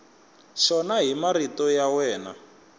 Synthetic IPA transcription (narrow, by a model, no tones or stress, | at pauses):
ʂɔnaɦimaɾitɔjawɛːna̰